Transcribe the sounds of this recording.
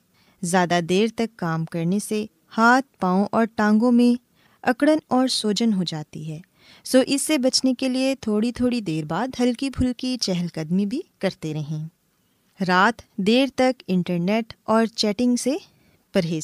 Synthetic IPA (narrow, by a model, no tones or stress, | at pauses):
zjaːd̪ad̪eːɾt̪ɐkːaːmkɐɾnese | haːt̪̚paːõʔɔːɾʈãːŋɡõmẽ | ɐkɽənɔːɾsoːd͡ʒənɦod͡ʒaːt̪iɦɛː | soːʔɪsːebɐt͡ʃnekeliet̪ʰoːɽit̪ʰoːɽid̪eːɾbaːd̪ɦɐlkibʱʊlkit͡ʃɛɦɛlkɐd̪mibʱikɐɾt̪eɾɐɦẽː | ɾaːt̪d̪eːɾt̪ɐkɪ̃ɳʈəɾneːʈɔːɾt͡ʃɛːʈɪ̃ŋɡse | pɐɾɦeː